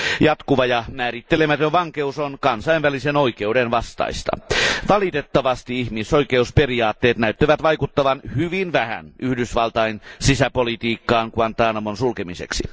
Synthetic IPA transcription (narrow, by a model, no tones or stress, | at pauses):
jɑt̪kuʋɑjɑmæːrit̪ːelemæt̪øʋʋɑŋkeusonkɑnsɑinʋælisenoikeudenʋɑst̪ɑ̰ist̪ɑ̰ʋɑlit̪et̪ːɑʋɑst̪iihmisoikeusperiɑːt̪ːeːt̪næyt̪ːæʋæt̪ʋɑikut̪ːɑʋɑnhyʋinʋæhæ̰nyhdysʋɑlt̪ɑinsisæpolit̪iːkːɑːŋkuɑnt̪ɑːnɑmonsulkemisḛksi